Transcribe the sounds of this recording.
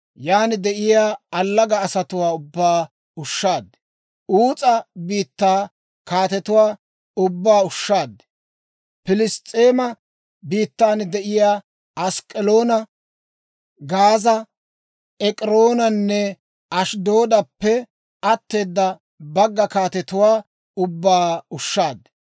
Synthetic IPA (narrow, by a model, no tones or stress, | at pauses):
jaːnɪd̪ɛʔɪjaːɐlːɐɡɐːsɐt̪ʊwaːʊbːaː | ʊʃːaːd̪ | uːt͡sʼɐbiːt̪ːaː | kaːt̪ɛt̪ʊwaː | ʊbːaːʊʃːaːd̪ɛ̥ | pɪlɪst̪ʼːeːmɐ | biːt̪ːaːnd̪ɛʔɪjaː | ɐskʼɛloːnɐ | ɡaːzɐ | ɛkʼɾoːnɐnːɛ | ɐʃd̪o̞ːd̪ɐpːɛ | ɐt̪ːe̞ːd̪ːɐ | bɐɡːɐkaːt̪ɛt̪ʊwaː | ʊbːaːʊʃːaːd̪ː